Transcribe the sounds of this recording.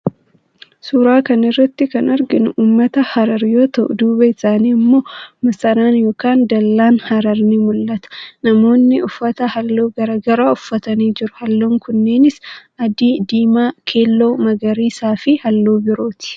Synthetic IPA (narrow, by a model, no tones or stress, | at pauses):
suɾaːkɐnɪrːɐt̪ːɪkɐnɐɾɡɪnuːmːɐt̪ɐhɐɾɐɾjoːt̪ɐʔʊ̰d̪uːbɐɪsaːniːmːo̞ːmɐsɐɾaːnjo̞ːkaːnd̪ɐlːaːnhɐɾɐɾnimʊlːɐt̪ɐ̥nɐmo̞ːnːɪʔʊfːɐt̪ɐhɐlːo̞ːɡɐɾaɡɐɾaːʊfːɐt̪ɐniːd͡ʒɪɾʊhɐlːo̞ːŋkʊnːeːnɪsʔɐd̪id̪iːmaːkʰeːlːo̞ːmɐɡɐɾiːsaːfɪhɐlːo̞ːbɪɾo̞ːt̪ɪ̥